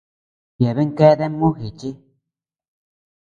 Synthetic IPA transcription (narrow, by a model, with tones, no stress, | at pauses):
je˨βe˦ŋke˦ðe˦mũ˦xi˨t͡ʃi˦